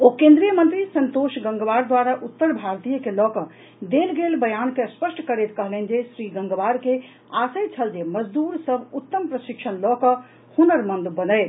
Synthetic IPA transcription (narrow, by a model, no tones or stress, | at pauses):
okẽnd̪ɾijəmənt̪ɾisə̃nt̪oʃɡə̃ŋɡəʋaɾd̪waɾaʔut̪ːəɾbʱaɾt̪ijəkelɔkə̃ | d̪elɡelbəjankeəspəsʈʰkəɾet̪kəɦlɛnd͡ʒesɾiɡəŋɡʋaɾke | asəjt͡ʃʰəld͡ʒeməd͡ʒd̪uɾsəbʱut̪ːəmpɾəsikt͡ʃʰənlɔkə̃ | hunəɾmə̃nd̪bənəj